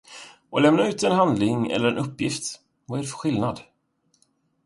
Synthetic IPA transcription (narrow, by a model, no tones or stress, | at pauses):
ʔɔlɛmnaʉ̟ːt̪ɛnɦand̪lɪŋɛ̰lːəɾɛnɵpːjɪft̪ | vaæɖɛfœɧɪlnad̪